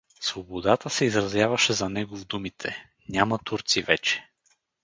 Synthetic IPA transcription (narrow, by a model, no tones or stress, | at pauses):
svobod̪at̪əsɛizɾɐzjavɐʃɛzɐnɛɡovd̪umit̪ʰɛ | nʲamɐt̪uɾt̪sivɛt͡ʃɛ̥